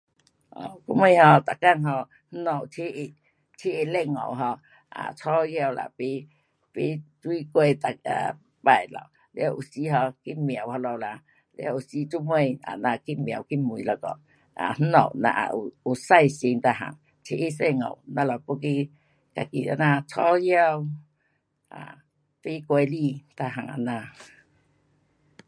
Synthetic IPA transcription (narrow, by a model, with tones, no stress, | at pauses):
ʔɔ̰˨ku˧˦me˧ɦɔ˧t̪a˨ka˦˧˨nɦɔ˧ | n̩˦nɔ˨˩wtʰi˦ʔi˧˩ | tʰi˦i˧˨lɛ˧˨ŋɔ̰˨wɦɔ˧ | a̰˨t͡sʰɔ˦˧hja˧˨wla̰˧˨pi˦ | pi˧˦t͡swi˦kwe˧t̪a˨a̰˨ | pa˧˩˨jlɔ̰˧˨˩w | la˧wʔu˨˩si˧ɦɔ˧ki˦mja˨wha˧lɔ˧wla˧ | lja̰˦˧˦ʔu˨si˦t͡ʃu˦mwẽ˦˧ja̰˨nã˧˨ki˦m˨a˨wki˦mu˨i˨la˧˨kɔ̰˨ | a̰˨n̥̩˦nɔ̰˨wnã̰˧˨ʔa̰˨ʔu˨u˨sa˧jsi˧ŋt̪a˧˨ɦa̰˨ŋ | t͡ʃʰi˧˨ʔi˦˨se˧˨ŋo̰˨wnã˧lɔ˧pu˦ki˦ | ka˨kḭ˧˨a̰˧˨nã˧˨t͡sʰɔ˦ja˧w | ʔa̰˨ | pi˦kwe˧li˧˨t̪a˧ɦa˨ŋa̰˨nã˧